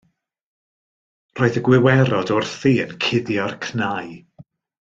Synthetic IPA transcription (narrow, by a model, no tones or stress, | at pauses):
roːɨðəɡwɪwɛɾɔdɔrθiːənkʰɪðjɔrkʰnaj